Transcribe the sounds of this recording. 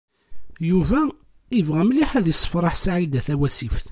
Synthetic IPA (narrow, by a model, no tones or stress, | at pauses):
juvæ | ivʁæmliħæðjisˤːə̥fɾˤɑħsʕid̪æθæwæsifθ